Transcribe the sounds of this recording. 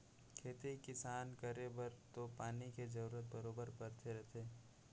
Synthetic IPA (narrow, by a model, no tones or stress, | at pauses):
kʰeːt̪ekɪsaːnkɐɾebɐɾt̪opaːniked͡ʒɐɾuːɾət̪̚bɐɾoːbəɾbɐɾt̪ʰeɾɐɦt̪ʰeː